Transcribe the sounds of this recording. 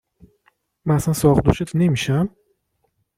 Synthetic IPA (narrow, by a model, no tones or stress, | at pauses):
mænæsænsɒʁd̪ṵʃet̪ʰnemiʃæm